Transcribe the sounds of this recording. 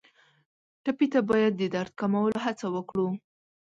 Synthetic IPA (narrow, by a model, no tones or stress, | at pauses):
ʈapit̪abɑjad̪̚ːəd̪aɾt̪̚kamawəloɦat͡sawəkɽu